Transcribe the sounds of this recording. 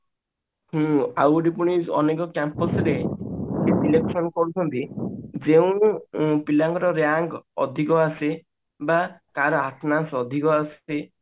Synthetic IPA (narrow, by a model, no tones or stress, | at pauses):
hũawɾipuɽ̃iɔ̰nekɔkampɔsɾe | esileksɔnɔkɔɾut͡ʃʰɔnt̪id͡ʒeũpilaŋɡɔɾɔɾjaŋɡɔd̪ʱikɔase | bakaɾɔaʈʰnasɔd̪ʱikɔase